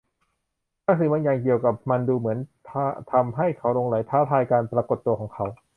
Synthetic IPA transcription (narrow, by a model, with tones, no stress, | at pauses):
laː˧˥ŋsɯ˨˩ma˧njaː˨˩ŋk̬i˨˩əwka˨˩p̚ma˧nduː˧mɯ˩˦ənt̪ʰa˥t̪ʰa˧mɦa˥˩jkʰa˩˦˥wlo˧ŋla˩˦jt̪ʰaː˦˥˩t̪ʰaː˧jkaː˧npɾaː˧ko˨˩t̪ːu˧əkʰɔː˩˦ŋkʰa˩˦˥w